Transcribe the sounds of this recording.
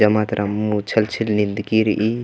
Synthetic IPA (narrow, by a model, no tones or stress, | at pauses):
ɐmat̪ɾʔɐmːut͡ʃʰɐlt͡ʃʰilnind̪kiɾʔi